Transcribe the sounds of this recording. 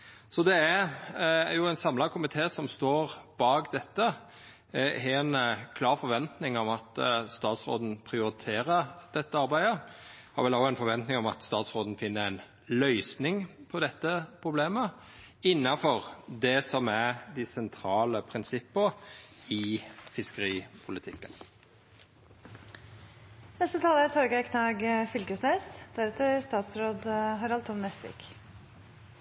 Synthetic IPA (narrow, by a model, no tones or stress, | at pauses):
sɔd̪ɛæɾ | jʊæɪnsɑmlɑkʰʊmɪt̪ʰeːsɔmst̪oːɾb̥ɑːɡd̪ɛt̪ːə | nkʰlɑːɾfɔɾʋɛnt̪nɪŋɔmɑt̪st̪ɑːt̪sɾo̰ːd̪n̩pʰɾɪʊɾɪt̪ʰeːɾəɾd̪̥ɛt̪ːəɑɾbæɪd̪ə | hɑ̰ɾʋɛloæɪnfɔɾʋɛnt̪nɪŋɔmɑ̰t̪st̪ɑːt̪sɾoːd̪n̩fɪnːəɾæɪn | lœʏsnɪŋpʰɔd̪ɛt̪ːəpʰɾʊbleːmə | ɪnːɑfɔʁd̪ɛsɔmæɾd̪ɪsɛnt̪ʰɾɑːləpʰɾɪnsɪpːəɪfɪskəɾiːpʰʊlɪt̪ʰɪkːən | nɛst̪ət̪ʰɑːlæt̪ʰɔɾɡəkʰnɑːɡfʏlkəsneːsd̪̥æɾɛt̪əst̪ɑːt̪sɾoːd̪ɦɑɾhɑlt̪ɔmnɛsɪ̰k